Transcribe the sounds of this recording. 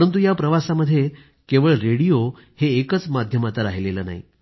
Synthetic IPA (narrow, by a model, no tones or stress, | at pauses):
ɾənt̪̬ujapɾəʋasaməd̪ʱːje | keʋəɭɾeɽijo | heːkət͡smad̪ʱjəmat̪aɾaɦileləːna̰ɦḭ